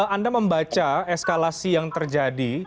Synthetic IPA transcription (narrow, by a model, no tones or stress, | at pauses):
andaməmbat͡ʃaɛskalasijaŋt̪ərd͡ʒadi